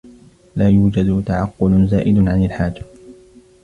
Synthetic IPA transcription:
laːjuːd͡ʒad̪t̪aʕɑqːʊlzaːʔɪd̪ʕanalħaːd͡ʒḁ

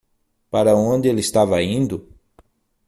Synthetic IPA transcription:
paɾɐõnd̪ɪelɪst̪avɐĩnd̪ʊ

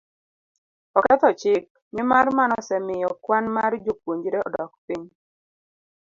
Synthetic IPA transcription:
ɔkɛt̪ɔt͡ʃɪk̚ | mɪmarmanɔsɛmɪjɔkwanmaɾd͡ʒokwoɲd͡ʒiɾeɔ̰dɔkpiɲ

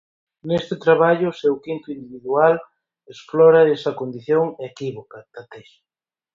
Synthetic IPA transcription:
nest̪ɪt̪ɾaβaʎʊsewkint̪ʊind̪iβiðual | esflɔɾɐesɐkond̪iθjoŋekiβokɐt̪at̪eʃ

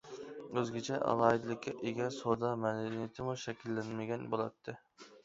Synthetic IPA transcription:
øzɡʲɪt͡ʃʰɛʔɑ̰lˠɑːid̪ɨlˠɪkʲːɛʔeɡʲɛsoɾd̪ɑmɛlnɪt̪ʰɪmuʃɛkʲʰilːɛnmɪɡʲɛnbolˠɑt̪ʰːɨ

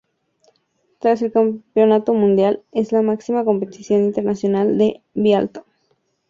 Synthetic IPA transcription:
t̪ɾase̞lkampjo̞nat̪o̞mũnd̪jale̞zlamaksimako̞mpet̪isjo̞nint̪e̞ɾnasjo̞nald̪e̞ | βjalt̪o̥

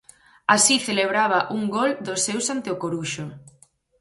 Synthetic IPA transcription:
asiθeleβ̞ɾaβ̞ɐʔuŋɡɔld̪osːewsant̪eokoɾuʃo

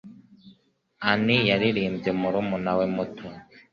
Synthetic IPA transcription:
anijaɾiɾiːmbzemuɾumunawemutʰo

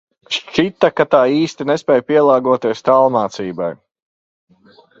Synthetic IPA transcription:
ʃt͡ʃit̪akat̪aːiːst̪inɛspʲɛjpiɛlˠɑːɡuɔt̪iɛst̪alˠmaːt̪siːbaj

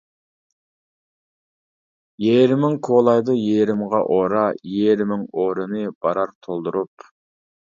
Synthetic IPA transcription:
jeɾɪmɪŋkʰolˠɑjd̪ɨjeɾɪmʁɑʔoɾɑjeɾmɪŋoɾɨnɨb̥ɑɾɑɾt̪ʰolˠd̪uɾup

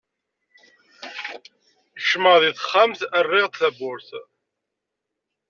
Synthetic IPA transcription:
ʃməðiθχːæmθərːɪʁt̪θæbʊɾθ

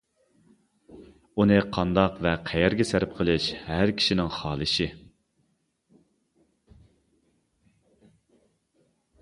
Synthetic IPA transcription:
unɨqʰɑnd̪ɑqvɛqʰɛjɛɾɡʲɛsæɾɪp̚qʰəlˠɨʃhæɾkʲʰi̥ʃinɪŋχɑːlˠɨʃɪ

